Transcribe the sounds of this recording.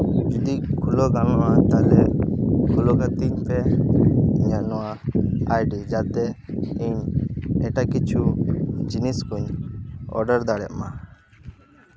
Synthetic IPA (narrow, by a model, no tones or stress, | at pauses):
d͡ʒud̪iʔkʰulɔɡamamat̪alɛʔkʰulɔkat̪iɲpɛ | ɲanɔaajɖid͡ʒat̪ɛiɲɛʈakit͡ʃʰud͡ʒiniskuɲɔ̰ɾɖəɾd̪aɽɛ̰ʔma